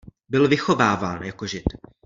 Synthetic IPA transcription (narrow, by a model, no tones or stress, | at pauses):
bɪlvɪxo̞vaːvaːnjakoʒɪt̪